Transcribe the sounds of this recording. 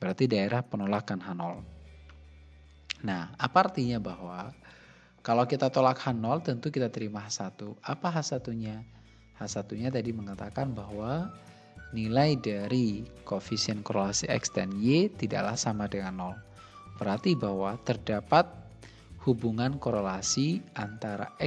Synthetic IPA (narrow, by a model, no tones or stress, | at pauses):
b̥əɾart̪idaeɾahpənolakanɦanɔl | nahapart̪iɲabahwa | kalawkit̪at̪olakhanɔlt̪ənt̪ukit̪at̪əɾimaɦasat̪uʔapaɦasat̪uɲa | hasat̪uɲat̪adiməŋat̪akanbaɦwa | nilajdaɾikofisiənkoɾelasiɛ̰ksdanjet̪ida̰ʔla̰hsamadəŋanːɔl | b̥əɾart̪ibahwat̪ərdapat̪̚ | hubuŋankoɾelasiant̪aɾa̰ʔɛ